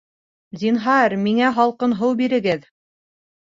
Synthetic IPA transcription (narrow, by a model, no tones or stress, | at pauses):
zʲinɦɑɾmiŋæɦɑlˠqɤnɦɤwbiɾɘ̆ɡɘð